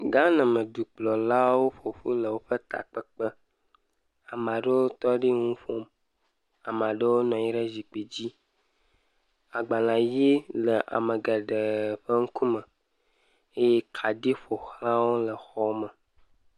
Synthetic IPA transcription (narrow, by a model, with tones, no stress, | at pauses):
ɡa˦nə̃˨mə̃˨du˨k͡plɔ˨la˦wo˦ɸo˨ɸu˦lə˨wo˦ɸə˦t̪a̰˨k͡pə˦k͡pə˦ | a˨m˨a˨ɖə˦wo˦t̪ɔ˦ɖi˦ŋũ˦fo˦m | a˨m˨a˨ɖə˦wo˦nɔ̃˨ji˦ɖə˦zi˨k͡pe˨d͡ʑi˦ | a˨ɡ͡ba˨lã˨ji˦lə˨ʔa̰˨mə˨ɡə˨ɖə˨ɸə˦ŋ̩˦ku˦mə˨ | e˦je˦kʰa˨ɖi˦ɸo˨xlã˦wo˦lə˨xɔ˦mə˨